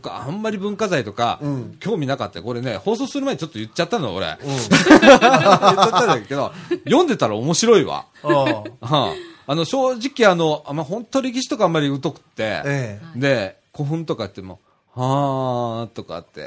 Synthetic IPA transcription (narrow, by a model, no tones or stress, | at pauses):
t̪oka̰ã̰mːaɾʲibɯ̟̃ŋkazait̪o̞ka̰kʲo̞ːmʲinakat̪ːaeko̞ɾe̞ne̞ho̞ːs̬o̞ːsɨɾɯmaeɲʲit͡ɕo̞t̪ːojɯ̟t͡ɕːat̪ːanoa̰oɾḛ | t͡ɕat̪ːaeke̞d̪o̞̰jõ̞nd̪e̞t̪aɾaomo̞ɕiɾo̞iβa̰ | ãano̞ɕo̞ːʑikʲiano̞amːahõ̞nt̪ːoɾʲek̬ʲiɕ̬i̥t̪o̞kamːaɾʲiɯ̟t̪o̞kɯ̟̥t̪ːe̞̰d̪e̞ | ko̞ɸɯ̟̃nt̪o̞kaɯt̪ːemo̞̰ | haːt̪o̞ka̰t̪ːe̞̰